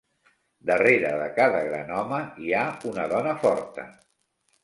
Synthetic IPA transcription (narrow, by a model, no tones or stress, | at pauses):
d̪əreɾəðəkaðəɣɾa̰nɔməiaunəðɔnəfɔɾt̪ə̰